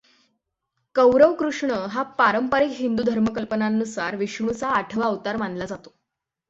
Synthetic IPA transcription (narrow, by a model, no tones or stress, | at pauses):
kəwɾəʋkɾuʂɳəɦapaɾəmpaɾikɦind̪uːd̪ʱəɾməkəlpənanːusa̰ɾʋiʂɳ̃ũt͡saːʈʰəʋaəʋt̪aɾmanlad͡zat̪o̥